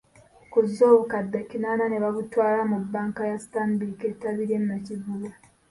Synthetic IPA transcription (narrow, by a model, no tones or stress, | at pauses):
kuzːo̞ːβukadːecinaːnane̞βaβutwaːlamubːaːŋkajastambiketaβiɾemːacivula